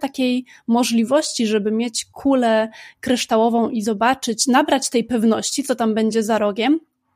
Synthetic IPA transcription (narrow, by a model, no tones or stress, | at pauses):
t̪akʲej | mɔʐlʲivɔɕt͡ɕiʐɛbɘmʲjet͡ɕkʰulɛkɾɘʂt̪awɔvɔ̃w̃ʔizɔbat͡ʂɘt͡ɕnabɾat͡ɕt̪ɛjpɛvnɔɕt͡ɕit̪sɔt̪ambɛɲd͡ʑɛzaɾɔɡʲɛm